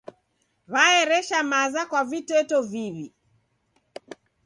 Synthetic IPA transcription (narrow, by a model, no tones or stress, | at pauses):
βaɛɾɛʃamazakwavitɛtɔviβi